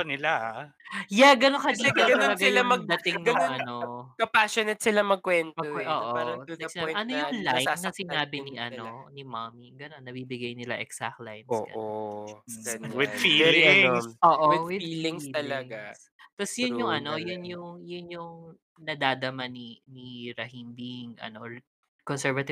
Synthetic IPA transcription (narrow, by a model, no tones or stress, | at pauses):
ɐnɪla | jaɡɐnokɐɐiːɛɡɡɐoɐɡɐɪlamɐɡ̚d̪ɐt̪ɪŋnɐʔɐnokɐpaʃonɛt̪̚sɪlamɐɡ̚kwɛnt̪ɐwʔoːʔoaɾɐɐsɪnaːbʔɐnojʊŋlajnɐsɪnaːbɪniʔɐnonimamiɡɐnonːɐbibɪɡajnɪla̰ʔɛksa̰k̚t̪la̰jnoːʔʔo | ɐnwɪd̪fiɪŋsʔoːʔowɪwɪd̪iːlɪŋst̪ɐlɐɡas | t̪ɐsjʊnjʊŋɐno̞jʊnjʊŋjʊnjʊŋ | nɐd̪aːd̪ɐmaniniɾɐhiːmbiŋʔɐ̰no | kɔnsɛɹvɐt̪ɪ